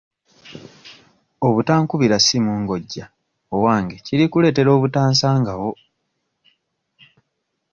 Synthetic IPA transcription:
o̞βutaːŋkuβiɾasimuːŋɡo̞ɟːa | owaːŋɡeciɾikule̞ːte̞ɾo̞ːβutaːnsaːŋɡawo̞

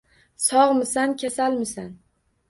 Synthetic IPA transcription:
sɒʁmɪsankʲʰasalmɪsan

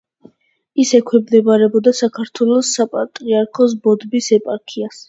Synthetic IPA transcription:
isɛkʰwɛmd̪ɛbaɾɛbɔd̪asakʰaɾt̪ʰwɛlˠɔsːapʼat̪ʼɾiaɾkʰɔs̬bɔd̪bisɛpʼaɾkʰias

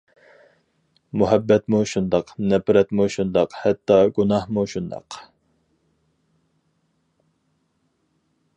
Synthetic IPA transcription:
muɦɛbːɛt̪muʃund̪ɑqnɛpɾɛt̪muʃund̪ɑqhɛt̪ːɑɡunɑhmuʃund̪ɑ̰q

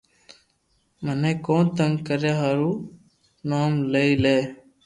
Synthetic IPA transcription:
məneːkõːnt̪əŋɡkəɾjaːɦaɾuː | noːmleiːleː

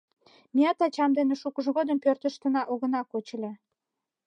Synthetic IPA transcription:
miɑt̪ɑt͡ɕɑmd̪enĕʃukəʒɣod̪əmpørt̪ə̆ʃt̪ə̆nɑʔoɣə̆nɑkot͡ɕə̆lʲe

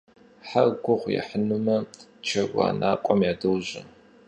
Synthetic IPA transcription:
ħaɡʷʊʁʷjɛ̰ħənumɐt͡ʃʰɐwa̰ːnʔaːkʷʼɔmjaːdɨwʑɐ

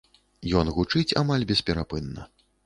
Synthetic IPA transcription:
jɔnɣut͡ʂɨt͡sʲa̰malʲbʲɛspʲɛɾapɨnːɐ̰

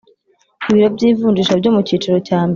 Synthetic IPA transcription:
iβiɾo̞bɟiːvuːnd͡ʒiʃabɟo̞muciːt͡ʃiɾo̞caːmb

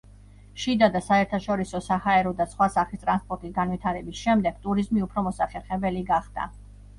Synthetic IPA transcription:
ʃid̪ad̪asaɛɾt̪ʰaʃɔɾisɔsahaɛɾɔd̪asχwasaχlist̪ʼɾanspʼɔɾt̪ʼisɡanwit̪ʰaɾɛbisʃɛmd̪ɛɡ̥t̪ʼuɾizmiupʰɾɔmɔsaχɛɾχɛbɛliɡaχd̪̥a̰

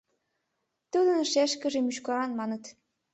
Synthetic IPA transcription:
t̪ud̪ɤ̆nɤʃæʃkɘ̆ʒĕmyʃkɑɾɑnmɑnɤ̆t̪

